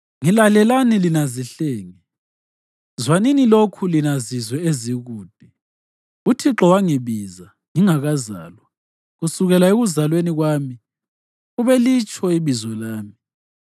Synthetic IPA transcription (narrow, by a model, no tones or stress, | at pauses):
ŋilalɛlanilinaziɬeːŋi | zwaninilokʰulinazizwɛeziɣuːd̥̚ʱi | utʰiǁɔwaŋiβiza | ŋiŋaɣaza̰ːlwa | ɣusuɣɛlaeɣuzalweniɣwaːmi | uβɛlit͡ʃʼʰɔiβizwɔlaːmi